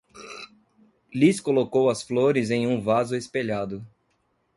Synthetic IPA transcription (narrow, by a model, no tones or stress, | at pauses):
liskolokowɐsfloɾɪzẽj̃ũvazʊespeʎad̪ʊ